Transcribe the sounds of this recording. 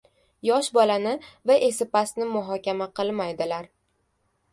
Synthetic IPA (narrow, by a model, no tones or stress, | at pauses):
jɒʃbɒlanɪvaʔe̞sɪpasnɪmʊɦɒkʲamaqʰɨlˠmajd̪ɪlaɾ